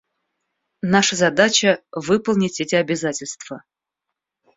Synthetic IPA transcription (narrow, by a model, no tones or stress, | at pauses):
naʂəzɐd̪at͡ɕəvɨpəlˠnʲɪtʲɛtʲɪɐbʲɪzatʲɪlʲst̪v̥ə